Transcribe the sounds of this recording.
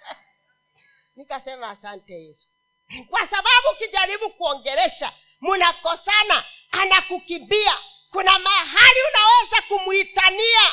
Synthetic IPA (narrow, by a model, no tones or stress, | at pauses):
nikasɛmaːsantɛjɛsu̥ | kwasaɓaɓukiʄaɾiɓukuɔŋɡɛɾɛʃa̰ | munakɔsana | anakukimbia | kunamaɦaliunawɛzakumuitania